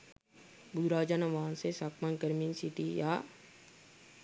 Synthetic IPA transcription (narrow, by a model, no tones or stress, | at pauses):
bʊd̪ɾaːd͡ʒanɐʋaːnsesaːkmankəɾmiːnsiʈijaː